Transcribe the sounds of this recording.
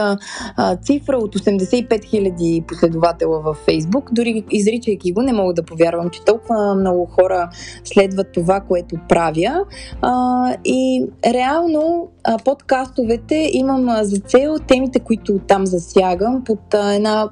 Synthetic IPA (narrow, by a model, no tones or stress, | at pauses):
t̪sifɾəot̪osɛmd̪ɛsɛipɛt̪xilʲɐd̪iposlɛd̪ʊvat̪ɛlˠəvɐfːɛjzbukd̪ʊɾiizɾit͡ʃəjkʲiɡonɛmɔɡəd̪ɐpovʲjaɾvəmt͡ʃɛ̥t̪ɔlˠkʊvəmnɔɡʊxɔɾəslɛd̪vət̪ːovakoɛt̪opɾavjə | iɾɛalˠnopot̪kast̪ovɛt̪ɛʔiməmzɐt̪sɛlˠt̪ɛmit̪ɛkoit̪ʊt̪amzɐsjaɡəmpot̪ɛna